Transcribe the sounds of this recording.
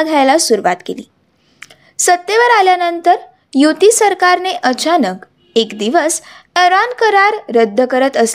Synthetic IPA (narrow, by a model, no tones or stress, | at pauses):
ɡʱajlasuɾuʋat̪kelḭː | sət̪ːeʋəɾaljanənt̪əɾ | jut̪isəɾkaɾneʔət͡ɕanək | ekd̪iʋəseɾankəɾaɾːəd̪ʱːəkəɾət̪əs